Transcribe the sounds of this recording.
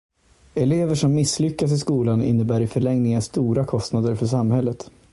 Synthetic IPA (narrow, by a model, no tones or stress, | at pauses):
ɛleːvəʂɔmːɪsːlʏkːas̬ɪskuːlanɪ̰nːəbæːɾɪfœɭɛŋnɪŋənst̪uːɾakʰɔst̪nad̪əɾfœʂamːhɛlːət̪